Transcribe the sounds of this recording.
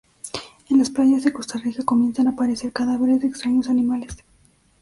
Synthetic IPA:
e̞nlasplaʝazðeko̞st̪arikako̞mje̞nsanapaɾe̞se̞ɾkaðaβe̞ɾezðekst̪ɾaɲo̞sanimale̞s

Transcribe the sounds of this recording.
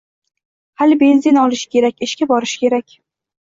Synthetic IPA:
halɪbe̞nzɪnɒlˠɪʃɪ̥kʲʰe̞ɾakʲɪʃkʲabɒɾɪʃkʲʰe̞ɾakʲ

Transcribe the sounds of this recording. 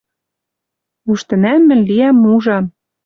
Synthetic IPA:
uʃt̪ɘ̆næmːɘ̆nʲliæmːuʒɑm

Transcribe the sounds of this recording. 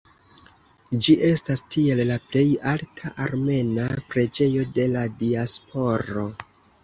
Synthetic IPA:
d͡ʒiʔe̞stastie̞lːaple̞jaltʰaʔaɾme̞napɾe̞d͡ʒe̞jo̞de̞ladiaspʰo̞ɾo̞

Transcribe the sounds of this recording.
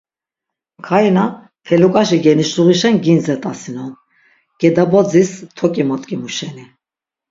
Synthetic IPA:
kʰajna | p̪ʰɛlukʼaʃiɡɛniʃuʁiʃɛnɡinzɛt̪ʼasinɔn | ɡ̥ɛd̪abɔd͡zist̪ʰɔkʼimɔt̪ʼkʼimuʃɛni

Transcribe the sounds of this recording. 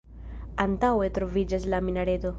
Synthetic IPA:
ant̪awetɾovid͡ʒaslaminaɾeto

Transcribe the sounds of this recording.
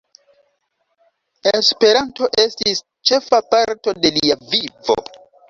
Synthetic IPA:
espe̞ɾanto̞ʔe̞stis | t͡ʃe̞fapaɾto̞de̞liavivo̞̰

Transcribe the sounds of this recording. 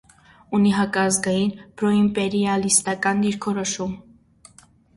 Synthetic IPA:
uniɦɑkʼɑzɡɑjinpʰɾɔimpʼɛɾiɑlist̪ɑkʼɑnd̪iɾkʰɔɾɔʃum

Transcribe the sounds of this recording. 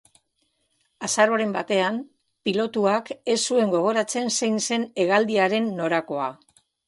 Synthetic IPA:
asaɾoɾe̞mbat̪e̞am | pilo̞t̪uake̞sːue̞ŋɡo̞ɣ̞o̞ɾat͡se̞nsejnse̞ne̞ɣald̪iaɾe̞nːo̞ɾako̞a

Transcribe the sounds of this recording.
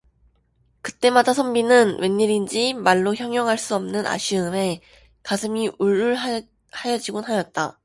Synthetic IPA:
kɯ̥t͈e̞madasʰʌmbinɯnwe̞nːiɾind͡ʑimaɭːoçjʌŋjʌŋɦaɭs͈uʌmnɯnʔa̰ɕʰiɯme̞ | kasʰɯmiʔuɭːuɭ | hajʌd͡ʑiɡonɦajʌt̚t͈a

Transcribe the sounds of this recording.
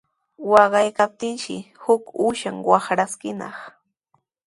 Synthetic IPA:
wɑɢɑjkap̚t̪ɪnʃɪ̰hʊkʊʃaŋwɑχɾaskɪnɑ̰χ

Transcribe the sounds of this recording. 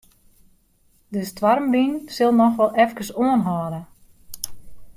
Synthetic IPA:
dəstʋarmbinsɪlˠnɔxʋɔlˠɛfkəsoənɦɔːdə

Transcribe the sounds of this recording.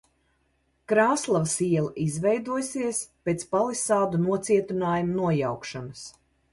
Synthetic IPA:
kɾaːslˠavsiɛlˠaʔizvɛjd̪uɔjsiɛspeːt̪spalˠisaːd̪unuɔt̪siɛt̪unaːjumunuɔjawkʃanɐs

